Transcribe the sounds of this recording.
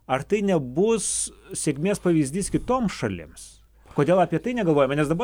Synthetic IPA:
ɐɾt̪ɐɪnʲɛbʊssʲeːkʲmʲeːspɐʋʲiːzʲd̪ʲiːskʲɪt̪oːmsʃɐlʲɪ̰ms | koːdʲeːlˠɐːpʲiɛt̪ɐɪnʲɛɡɐlˠʋoːjɛmɐnʲɛsd̪ɐbɐ

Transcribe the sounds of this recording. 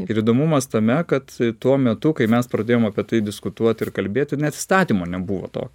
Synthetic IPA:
ɪɾid̪oːmʊmɐst̪ɐmʲɛkɐt̪t̪uɔmʲɛt̪ʊkɐɪmʲɛspɾɐd̪ʲeːjoːmɐpʲiɛt̪ɐɪd̪ʲɪskʊt̪uɔt̪ʲɪɾkɐlʲbʲeːt̪ʲnʲɛt̪ɪ̥st̪ɑːt̪ʲiːmoːnʲɛbuʋo̰ːt̪o̰ːkʲ

